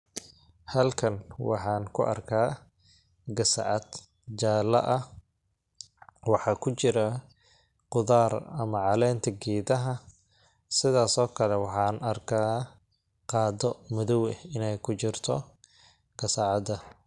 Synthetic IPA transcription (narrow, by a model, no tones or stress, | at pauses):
hɐlkʰɐnwɑ̰ħɑːnkʰʊ̰ʔɐ̰rkʰaː | ɡɐsɑ̰ʕɑd̪ | d͡ʒaːlɐ̰ʔɐ | wɑħɑːkʰʊt͡ʃɪɾɐ | qʊðaːrɐmɐʕɑlɛːnt̪ʰɐɡiːðɐɦɐ | sɪðaːsɔːkʰɐlɛwɑħɑːnɐrkʰaː | qɑːdɔmʊðɔwɛɪnɛjkʰʊt͡ʃɪrt̪ʰɔ | ɡ̥ɐsɐʕɑd̪ɐ